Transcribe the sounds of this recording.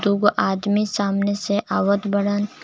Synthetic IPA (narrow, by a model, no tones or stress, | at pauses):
d̪uɡʔaːd̪misaːmneseʔaːʋət̪bɐɽən